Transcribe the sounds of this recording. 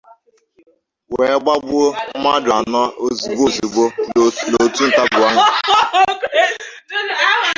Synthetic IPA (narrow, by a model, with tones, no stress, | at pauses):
we˨˦ɡ͡ba˦bʊ˦ma˦da˨nɔ˦o˦zi˨ɡ͡bo˦zi˨ɡ͡bo˦lo˨tu˦n̩˨ta˦bʊ˨a˦ŋ˦